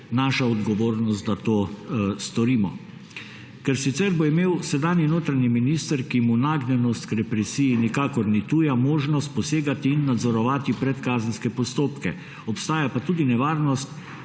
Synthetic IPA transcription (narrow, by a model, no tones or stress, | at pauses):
naːʃaɔd̪ɡɔʋoːɾnɔst̪̚d̪at̪oːst̪ɔɾiːmɔ | kɛɾsit̪sɛɾbɔimeːwsɛd̪aːnjinoːt̪ɾaɲiminiːst̪əɾkimunaɡnɛnɔst̪kɾɛpɾɛsiːjinikaːkɔɾnit̪ujamoːʒnɔst̪̚pɔseːɡat̪iːnːad̪zɔɾɔʋaːt̪ipɾɛt̪kaːzənskɛpɔst̪oːpkɛ | ɔpst̪aːjapat̪uːd̪inɛʋaːɾnɔst̪